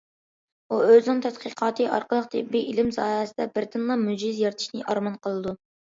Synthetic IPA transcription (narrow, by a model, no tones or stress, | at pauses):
uøzɪnɪŋt̪ʰɛt̪qʰiqʰɑːt̪ʰɨʔɑ̰ɾqəlˠəq̚t̪ʰɪ̰bːiʔilɪmzɑːɛsɪd̪ɛbɪɾd̪ɨnlˠɑmud͡ʒɪzjɑɾt̪ʰɨ̥ʃnɨʔɑɾmɑnqʰəlˠɨd̪u